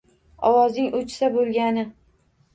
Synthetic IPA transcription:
ɒwɒznɪŋʊt͡ʃsabolˠɡʲanɪ

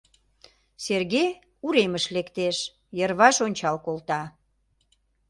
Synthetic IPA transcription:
serɣe | uɾeməʃlekt̪eʃ | jərβɑʃonʲt͡ɕɑlkolt̪ɑ

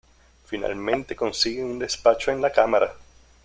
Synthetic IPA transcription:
fina̰lmẽ̞nt̪e̞ko̞nsiɣeund̪e̞spat͡ʃoenlakamaɾa

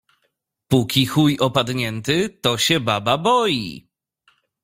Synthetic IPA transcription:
pukʲixujɔpad̪ɲɛnt̪ɘt̪ɔɕɛbababɔjḭ

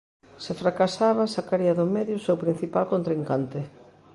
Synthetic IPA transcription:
sefɾakasaβ̞asakaɾiaðʊmɛðjʊsewpɾin̟θipalkõnt̪ɾiŋkant̪ɪ

